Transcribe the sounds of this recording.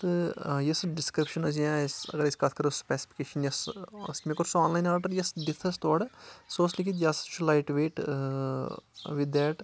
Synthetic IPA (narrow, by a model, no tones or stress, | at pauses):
t̪ɨjɐsɖɪskɾɪpʃɐnɐsjãsɐ̰ɡəɾiskaːt̪ʰkɐɾospɛːsi̥fi̥keːʃɐnjɐssmekoɾsoaːnlaːjnaːɾɖɐɾjɐsɖit̪ʰɐst̪oːɽsoːslikit̪jast͡ʃʰulaɪʈʋeːʈ | ʋid̪ːɛʈ